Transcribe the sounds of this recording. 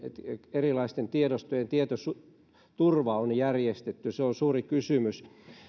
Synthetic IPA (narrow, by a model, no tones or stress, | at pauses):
erilɑist̪ent̪iedost̪ojent̪iet̪osu | t̪urʋɑonjærjest̪et̪ːyseonsuːrikysymys